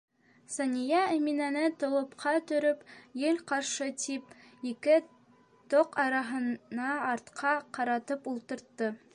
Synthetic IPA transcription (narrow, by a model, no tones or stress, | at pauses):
sɑnʲijɑæ̆minænɘt̪ŏwˠɤ̆pqʰɑt̪ɵ̆ɾɵpjɘlqɑɾʃɤt̪ʰip̚ikɘ | t̪oqɑɾɑɦɤ̆nɑːɾt̪qʰɑqɑɾɑt̪ɤpulˠt̪ɤ̆ɾt̪ːɤ